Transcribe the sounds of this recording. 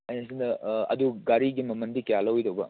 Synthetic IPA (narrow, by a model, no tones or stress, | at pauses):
ɐjnɐsindɐɐ̰duɡaɾiɡimɐmɐndikijalɐwidɐwbɐ